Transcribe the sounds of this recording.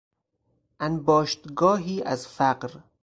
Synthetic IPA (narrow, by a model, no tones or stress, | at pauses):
ʔænbɒːʃt̪ɡɒːɦiːʔæzfæqɾ